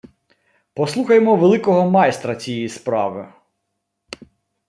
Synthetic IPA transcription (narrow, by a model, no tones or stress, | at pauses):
pɔslˠuxɐjemɔʋelˠɪkɔɦɔmɑjst̪ɾɐt͡sʲijɛjispɾɑ̰ʋɪ̰